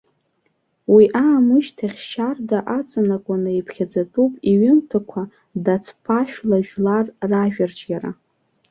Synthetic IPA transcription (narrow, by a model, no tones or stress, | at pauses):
wiʔaːmɨʃtʰaχʲʃardaʔat͡sʼanakʷʼanaipʰχʲad͡zatʼupʼiɥɪmtʰakʷʰa | dat͡sʰpʰaʃᶣlaʒᶣlarːaʒᶣart͡ʃʼɡʲaɾa̰